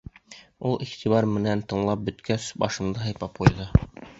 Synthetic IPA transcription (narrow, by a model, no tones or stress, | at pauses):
ulˠʔiχt̪iβɑɾmɘ̆nænt̪ɤ̆ɴlˠɑp̚bɵ̆t̪kæsbɑʃɤ̆md̪ɤɦɑjpɑp̚qujðɤ